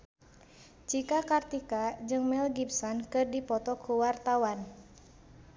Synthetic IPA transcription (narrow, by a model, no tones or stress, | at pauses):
t͡ʃikakart̪ikad͡ʒɨŋmɛlɡipsɔnkɨrdipɔt̪ɔkuwart̪awan